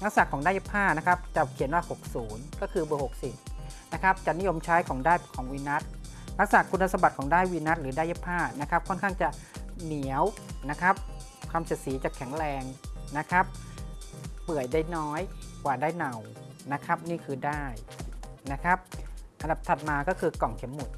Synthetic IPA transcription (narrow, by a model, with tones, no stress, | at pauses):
na˦˥k̚saː˨˩kʰːɔː˩˦ŋda˥˩je˦˥pʰaː˥˩na˦˥kʰa˦˥p̚t͡ɕa˨˩kʰi˩˦nwaː˥˩ho˨˩k̚suː˩˦nkɔː˥˩kʰɯː˧bɤː˧˩ho˨˩k̚si˨˩t̪̚ | na˦˥kʰa˦˥p̚t͡ɕa˨˩ni˦˥jo˧mt͡ɕʰaː˦˥jkʰɔː˩˦ŋdaː˥˩jkʰɔː˩˦ŋwiː˧na˦˥t̪̚ | na˦˥k̚saː˨˩kʰːu˧nːtʰːa˧˩sa˧ba˨t̪̚kʰɔː˩˦ŋdaː˥˩jwiː˧na˦˥t̪̚ɾɯː˩˦da˥˩je˦˥˩pʰːaː˥˩na˦˥kʰa˦˥p̚kʰɔ˥˩nkʰaː˥˩ŋt͡ɕa˨˩ | ni˨˩˦əw | na˦˥kʰa˦˥p̚ | kʰaː˧msi˨˩siː˩˦t͡ɕa˨˩kʰɛ˩˦ŋɾɛː˧ŋna˦˥kʰa˦˥p̚ː | ɯ˨˩əjdaː˥˩jnɔː˦˥jkwaː˨˩daː˥˩jna˨˩wna˦˥kʰa˦˥p̚niː˥˩kʰɯː˧daː˥˩jna˦˥kʰa˦˥p̚ʔa˧nda˨˩p̚t̪ʰa˨˩t̪̚maː˧kɔː˥˩kʰɯː˧kɔ˨˩ŋkʰe˩˦mːu˨˩t̪̚